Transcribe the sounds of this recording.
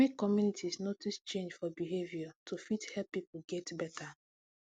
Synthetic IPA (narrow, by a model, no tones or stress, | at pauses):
mekːɔmjunitʰisnotist͡ʃẽnd͡ʒfɔbiɦevjatʰufithɛlpːipoɡɛtbɛta